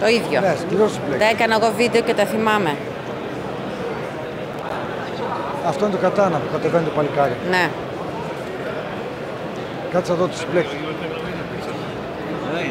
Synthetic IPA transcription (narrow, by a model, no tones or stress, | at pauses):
t̪o̞iðʝonespiɾot̪si̥plet̪ɐekɐnɐeɣo̞vid̪e̞o̞cet̪ɐθimɐme̞ | ɐft̪oinet̪okɐt̪ɐnɐt̪okɐt̪event̪epɐlikɐɾine | kɐt̪isɐðot̪o̥si̥plek̚t̪i̥